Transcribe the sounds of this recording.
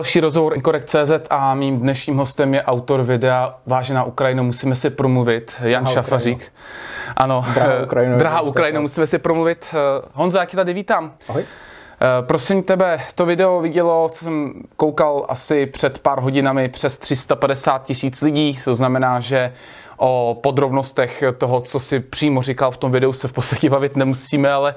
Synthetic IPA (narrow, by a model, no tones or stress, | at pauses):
lʃiːɾozɦovoɾʔkoɾɛkt̪̚t͡sɛːzɛt̪ʰamiːmdnɛʃɲiːmɦo̞st̪ɛmjɛʔawt̪o̞ɾvɪdɛavaːʒɛnaːʔukɾajɪnumusiːmɛsɪpɾomluvɪt̪janʃafariːk | ʔano̞dɾkɾjd̪ɾaɦaːʔukkɾajɪnumusiːmɛsɪpɾomluvɪt̪ɦonzojaːcɛt̪adɪviːt̪aːmj | pɾosɪmt̪ɛbɛt̪ovɪdɛo̞vɪɟɛlo̞t͡sosɛmkowkalʔa̰sɪpr̝̥ɛt̪paɾɦo̞ɟɪnamɪpr̥ɛst̪r̥ɪst̪apadɛsaːt̪̚cɪsiːt͡slɪɟiːt̪oznamɛnaːʒɛ | ʔopo̞d̪ɾo̞bnost̪ɛxt̪oɦot͡sosɪpr̝̥iːmorɪkalft̪omvɪdɛusɛfpot͡st̪ḁcɛbavɪt̪nɛmusiːmɛalɛ